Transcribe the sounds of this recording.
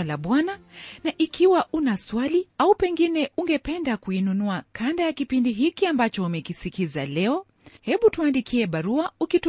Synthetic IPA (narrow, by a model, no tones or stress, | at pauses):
laɓwananaʔikʰiwaʔunaswaliaupɛŋɡinɛuŋɡɛpɛndakuinunuakʰandajakipindiɦikiambat͡ʃɔumɛkisikizalɛɔ | hɛɓutuandikʰiɛɓaɾuaukit